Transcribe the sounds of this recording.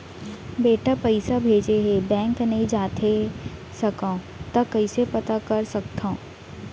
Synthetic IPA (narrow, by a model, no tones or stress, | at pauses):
beːʈapɐɪsabʱeːd͡ʒeɦebɛ̃ːŋknɐɦĩd͡ʒaːt̪ʰe | sɐkã | t̪ɐkɐɪsepɐt̪akɐɾsɐk̚t̪ʰãõ